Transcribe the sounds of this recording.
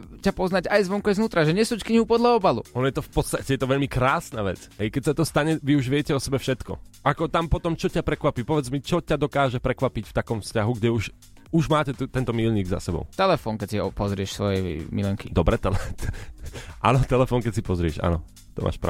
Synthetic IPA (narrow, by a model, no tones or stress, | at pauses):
capɔznaɟajzʋɔŋkɔjznuːt̪ɾaʒɛɲɛsuːckɲiɦupɔd̪laɔbalṵɔnɔjɛt̪ɔfpɔt͡st̪acɛjɛt̪ɔʋɛʎmikɾaːsnaʋɛ̰t͡sɦɛjkɛcsat̪ɔst̪aɲɛʋiuʒʋɪɛcɛɔsɛbɛfʃɛt̪kɔ̰ʔakɔt̪ampɔt̪ɔmt͡ʃɔcapɾɛkʋapipɔʋɛd͡zmit͡ʃɔcad̪ɔkaːʒɛpɾɛkʋapicft̪akɔmfscaɦuɡɟɛuʃ | uʒmaːcɛt̪ut̪ɛnt̪ɔmiːʎɲiːɡza̰sɛbɔ̰ʊt̪ɛlɛfɔːnkɛcsiɔpɔzɾɪɛʃsʋɔjɛmḭlɛŋkid̪ɔbɾɛt̪ɛlɛ | ʔa̰nɔt̪ɛlɛfɔːnkɛcsipɔzɾɪɛʃa̰nɔ | t̪ɔ̰mʔa̰ːʃpɾa̰